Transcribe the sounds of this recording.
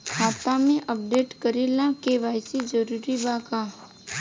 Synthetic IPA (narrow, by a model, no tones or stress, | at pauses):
bʱaːt̪amẽʔəp̚ɖeːʈkəɾilakeʋaːɪsid͡ʒəɾuːɾibaka